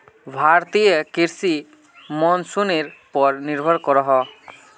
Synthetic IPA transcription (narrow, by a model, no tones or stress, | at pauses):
bʱaɾt̪ijɔkiɾsi | mɔnsuneɾpɔɾniɾbʱɔɾkɔɾɔɦɔ